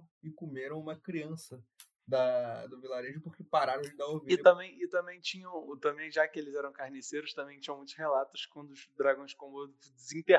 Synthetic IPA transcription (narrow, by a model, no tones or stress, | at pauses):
ɪkumeɾɐ̃w̃ũmɐkɾiɐ̃sɐ | d̪ɐd̪ʊvilaɾeʒʊpʊχkɪpaɾaɾɐ̃d͡ʒɪd̪aoviɪt̪ɐ̃mbẽj̃ɪt̪ɐ̃mbẽj̃t͡ʃĩɲɐ̃w̃t̪ɐ̃bẽj̃ʒakɪelɪzɛɾɐ̃w̃kahniseɾʊst̪ɐ̃mbẽj̃t͡ʃĩɲɐ̃mũj̃t̪ʊhelat̪ʊ̥skwɐ̃d̪ʊzd̪ɾaɡɐ̃j̃ʃkõbod̪ | d͡ʒɪzĩt̪e